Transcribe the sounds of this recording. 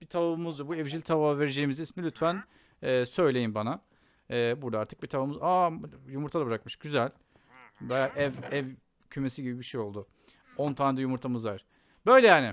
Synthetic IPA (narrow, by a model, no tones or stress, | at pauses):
bit̪ʰavamuzd̪uɾbuɛvd͡ʒilʲt̪ʰaβave̞ɾed͡ʒe̞jimizismilʲyt̪fæn | ɛːsø̞jlʲe̞jinbana | ɛːbuɾd̪aaɾt̪ʰɯk̚bit̪ʰavamɯzajumuɾt̪ʰalˠabɯɾak̚mɯʃɟyzælʲ | baaʔɛvɛv | cʰyme̞siɟibibiʃejo̞lˠd̪ʊ | o̞nt̪ʰaːnd̪ajumuɾt̪ʰamɯzvaɾ̥ | bø̞jlʲɛjaːnɪ